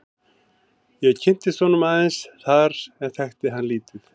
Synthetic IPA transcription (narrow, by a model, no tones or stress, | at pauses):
jɛɣcʰɪn̥t̪ɪsvɔːnʏmaðɪnsθaɾɛnθɛxt̪ɪɦanliːt̪ʏθ